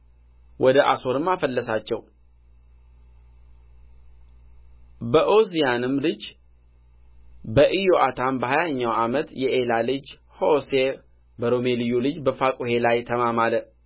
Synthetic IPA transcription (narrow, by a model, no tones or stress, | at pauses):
wʔɔd̪əʔa̰so̞ɾɨmːafəlːəsat͡ʃːɛw | bəʔozijanɨmːlɨd͡ʒ | bəʔɨjoʔat̪ʰanbəhajaɲːawamət̪jɛʔelalɨd͡ʒ | ho̞se | bəɾomelijulɨd͡ʒbəfakʼuhe̞lajt̪ʰəmamalə